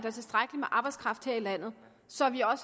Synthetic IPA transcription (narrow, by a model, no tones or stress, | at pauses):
d̥æɐt͡sʰe̝sd̥ʁaɡ̥əlimeʔɑ̈ːb̥ɑ̈ɪskʰʁɑ̈fd̥he̝ɐ̰ilæn̰ð̞̩ˠ | sɒ̽ʋiɒ̽s